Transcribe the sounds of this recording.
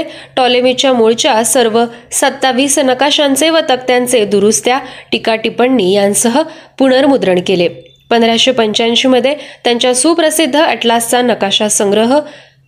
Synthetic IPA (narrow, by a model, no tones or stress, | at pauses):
ʈɔlemit͡ɕjamuɭt͡ɕjasəɾʋəsət̪ːaʋiːsnəkaɕant͡seʋət̪ək̚t̪jant͡sed̪uɾust̪jaʈikaʈipəɳːiːjãnsəɦəpuɽ̃əɾmud̪ɾəɳkele | pənd̪ɾaɕepəɲt͡ɕanɕiːməd̪ʱːjet̪jaɲt͡ɕjasuːpɾəsid̪ʱːəəʈlast͡sanəkaɕasə̃ŋɡɾəɦə